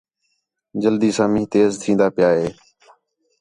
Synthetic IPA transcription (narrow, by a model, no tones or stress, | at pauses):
d͡ʒəld̪iːsãːmĩːt̪eːzt̪ʰĩːnd̪aːpɪjaːɦeː